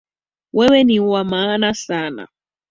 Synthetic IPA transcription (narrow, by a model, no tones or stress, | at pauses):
wɛwɛniwamaːnasaːna̰